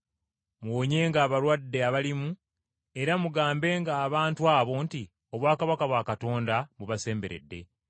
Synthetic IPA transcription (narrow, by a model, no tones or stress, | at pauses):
mwoɲe̞ːŋɡaːβaɾwadːe̞aβalimu | e̞ɾamuɡaːmbe̞ːŋɡaːβaːntuaːβo̞nti | o̞βwaːkaβakaβwakato̞ːndamuβase̞ːmbe̞ɾe̞̰dːe̞̰